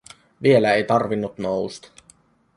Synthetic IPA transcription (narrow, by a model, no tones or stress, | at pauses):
ʋie̞læejt̪ɑrʋinːut̪noust̪ɑ̥